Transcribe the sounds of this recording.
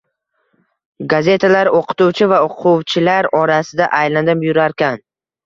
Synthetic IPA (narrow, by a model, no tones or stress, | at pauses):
ɡaze̞t̪ʰalaɾoqʰɨ̥t̪uwt͡ʃʰɪvaʊqʰʊwt͡ʃʰɪlaɾɒɾasɪd̪a̰ʔajland̪ɪpjʊɾaɾkʲan